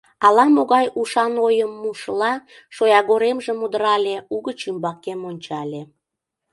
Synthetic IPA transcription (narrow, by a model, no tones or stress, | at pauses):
ɑlɑmoɣɑjuʃɑnojəmːuʃlɑ | ʃojɑɣoɾemʒĕmud̪əɾɑlʲeuɣət͡ɕymbɑkemonʲt͡ɕɑlʲe